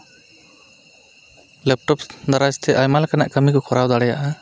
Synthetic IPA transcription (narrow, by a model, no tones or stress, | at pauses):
lɛp̚ʈɔpd̪aɾad͡ʒt̪ʰɛʔajmalakanaʔkəmikɔkʰɔɾawd̪aɽɛjaʔa